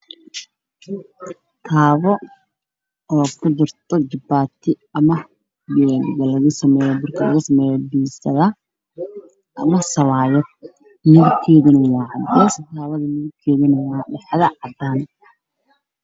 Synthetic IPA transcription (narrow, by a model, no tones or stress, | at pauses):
t̪ʰaːβɔ | ɔːkʰʊd̪ʊrt̪ʰɔd͡ʒɪbaːt̪ʰɪ | ɐmɐ | bɛːlɡɐlɐɣɐsɐmɛːjɔbʊrkʰɐlɐɣɐsɐmɛːjɔbiːsɐðɐ | ʔɐmɐsɐlaːjɔ | nɪðɪkʰɛːðɪnɐwɑːʕɑd̪ɛːst̪ʰaːβɐðɐnɪðɪbkʰɛːðɪnɐwɑːɗɛħðɐʕɑd̪aːn